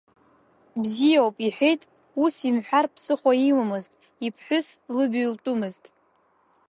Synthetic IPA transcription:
bzijawpʼiħʷᶣejtʼ | usimħʷᶣarpʰsʰʼɨχʷaiwamɨztʼ | ipʰħʷᶣʊslɨbltʼumɨztʼ

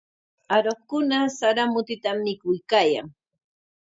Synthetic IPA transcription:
aɾoχkʊnasaɾamʊt̪ɪt̪amːɪkʊjkaːja̰ŋ

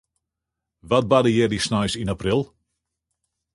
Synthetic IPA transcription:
ʋat̚badəjɛdisnajsinaprilˠ

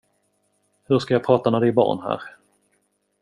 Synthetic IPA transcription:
hɵʂkajɑpʰɾɑːt̪amɛd̪ɪbɑ̰ːɳhæ̰ːɾ

